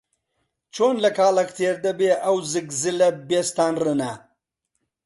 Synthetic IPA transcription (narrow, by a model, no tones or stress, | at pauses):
t͡ʃoːnlɐkaːlɐkt̪ʰeːɾd̪ɐbeʔawzɨɡzilɐbest̪aːnrɨna